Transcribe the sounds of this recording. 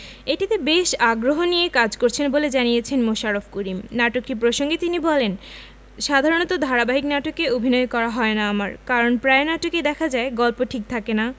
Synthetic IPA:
eʈit̪ebeʃaɡɾoɦonijekad͡ʑkoɾt͡ɕʰenboled͡ʑanijet͡ɕʰenmoʃaɾofkuɾimnaʈokʈipɾoʃoŋɡet̪inibɔlen | ʃad̪ʱaɾonot̪od̪ʱaɾabaɦiknaʈokeobʱinɔekɔɾaɦɔenaamaɾkaɾonpɾaenaʈoked̪ɛkʰad͡ʑaeɡɔlpoʈʰik̚t̪ʰakena

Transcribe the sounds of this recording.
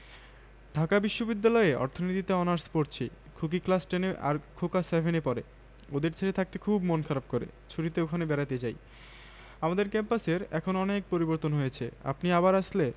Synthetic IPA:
ɖʱakabiʃːobid̪ːalɔeɔ̰ɾt̪ʰonit̪it̪eɔnaɾspoɾt͡ɕʰi | kʰuk̬iklasʈeneʔa̰ɾkʰokasɛbʱenepɔɾe | od̪eɾt͡ɕʰeɾet̪ʰak̚t̪ekʰubmonkʰaɾab̚koɾḛt͡ɕʰuɾit̪eokʰanebɛɾat̪et͡ɕaj | amad̪eɾkɛmpaseɾɛkʰonɔnek̚poɾiboɾt̪onɦojet͡ɕʰea̰pniaβaɾaʃle

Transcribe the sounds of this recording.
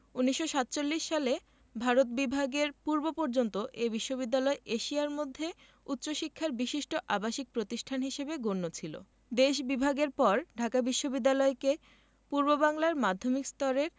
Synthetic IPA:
uniʃːoʃat̪t͡ɕolːiʃːale | bʱaɾot̪̚bibʱaɡeɾpuɾbopoɾd͡ʑont̪oʔebiʃːoβid̪ːalɔeʔeʃiaɾmod̪ʱːe | ut̪ːɕoʃikʰːaɾbiʃiʃʈoʔabaʃik̚pɾot̪iʃʈʰanɦiʃebeɡonːot͡ɕʰilo̰ | d̪eʃbibʱaɡeɾpɔɾɖʱakabiʃːobid̪ːalɔeke | puɾbobaŋlaɾmad̪ʱːomikst̪ɔɾeɾ

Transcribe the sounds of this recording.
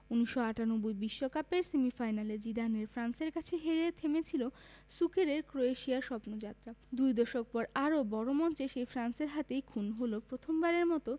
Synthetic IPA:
uniʃoaʈanobujbiʃːokapeɾsemifajnaled͡ʑid̪aneɾfɾanseɾkat͡ɕʰeɦeɾet̪ʰemet͡ɕʰilo | sukeɾeɾkɾoeʃiaɾʃɔpnod͡ʑat̪ːɾad̪ujd̪ɔʃok̚pɔɾaɾobɔɾomɔnt͡ɕeʃejfɾanseɾɦat̪ejkʰunɦolopɾot̪ʰombaɾeɾmɔt̪o

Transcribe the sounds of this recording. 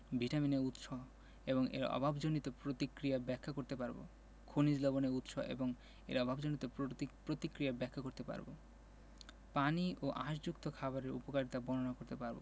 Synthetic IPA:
bʱiʈamineut̪ʃɔɦ | eβoŋḛɾɔ̰bʱabd͡ʑonit̪opɾot̪ikɾijabɛkʰːakoɾt̪epaɾbo̰ | kʰonid͡ʑlɔboneut̪ʃɔ̰ʔḛboŋ | ḛɾɔbʱabd͡ʑonit̪opɾot̪ikɾijabɛkʰːakoɾt̪epa̰ɾbo̰ | paniʔoʔaʃd͡ʑukt̪okʰaβaɾeɾṵpokaɾit̪abɔnonakoɾt̪epaɾbo̰

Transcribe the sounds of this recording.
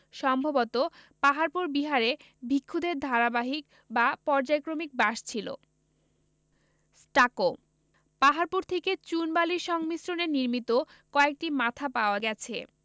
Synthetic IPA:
ʃɔmbʱobot̪opaɦaɾpuɾbiɦaɾe | bʱikʰːud̪eɾd̪ʱaɾabaɦik | bapɔɾd͡ʑajkɾomik̚baʃt͡ɕʰilo̰ | sʈako | paɦaɾpuɾt̪ʰeket͡ɕunbaliʃɔŋmisɾoneniɾmit̪o | kɔek̚ʈimat̪ʰapaoaɡɛt͡ɕʰe

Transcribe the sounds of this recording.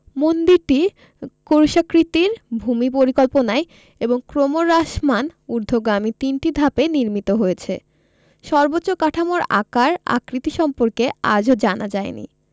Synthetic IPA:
mond̪iɾʈi | koɾʃakɾit̪iɾbʱumipoɾikɔlponae | eboŋkɾomoɾːaʃmanuɾd̪ʱoɡɾamit̪inʈid̪ʱapeniɾmit̪oɦojet͡ɕʰe | ʃɔɾbotːɕokaʈʰamoɾa̰kaɾa̰kɾit̪iʃɔmpoɾkea̰d͡ʑʱod͡ʑanad͡ʑaenḭ

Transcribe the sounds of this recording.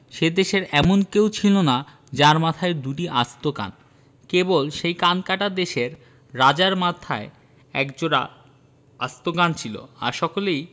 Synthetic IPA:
ʃed̪eʃeɾɛmonkewt͡ɕʰilona | d͡ʑaɾmat̪ʰaeɾd̪uʈiʔast̪oka̰n | kebolʃejkankaʈad̪eʃeɾː | ad͡ʑaɾmat̪ʰae | ɛ̰kd͡ʑoɾa̰ | ast̪okant͡ɕʰilo̰a̰ɾʃɔkolej

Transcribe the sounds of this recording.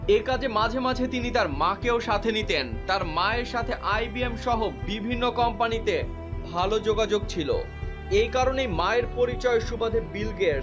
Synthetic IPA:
ekad͡ʑemad͡ʑʱemad͡ʑʱet̪init̪aɾmakeoʃat̪ʰenit̪ent̪aɾmaeɾʃat̪ʰeʔajbiemʃɔɦobibʱinːokɔmpanit̪e | bʱalod͡ʑoɡad͡ʑoɡ̚t͡ɕʰilo̰ | ejkaɾonejmaeɾpoɾit͡ɕɔeʃubad̪ʱebilɡe

